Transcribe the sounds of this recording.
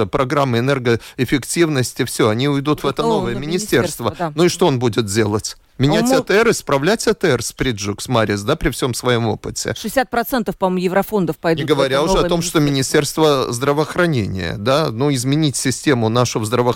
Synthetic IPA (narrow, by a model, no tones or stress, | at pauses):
əpɾɐɡɾamːɨɪnɛrɡəɪfʲɪktʲivnəsʲtʲɪfsʲɵɐnʲiʊjd̪ut̪vɛt̪əno̞vəjəmʲɪnʲɪsʲtʲe̞rst̪vənuɪʂt̪oonbudʲɪt̪̚dʲe̞lˠətʲ | mʲɪnʲætʲɛt̪ɛɾɨspɾɐvlʲætʲɛt̪əɛrspɾʲidʐuksmaɾʲɪsd̪apɾʲɪfsʲo̞msvɐjo̞mo̞̰pɨtʲɪ̰ʂɨsʲat̪̚pɾɐt̪sɛnt̪əfpɐmojɪvɾɐfond̪əfpɐjd̪ɪuɡəvɐɾʲaʊʐɛɐo̞mʂt̪o̞mʲɪnʲɪsʲtʲe̞rst̪vəzd̪ɾəvəːxɾɐnʲenʲɪ̰jə̰d̪anuɪzmʲɪnʲitʲsʲɪsʲtʲe̞mʊnaʂʊvzd̪ɾəvə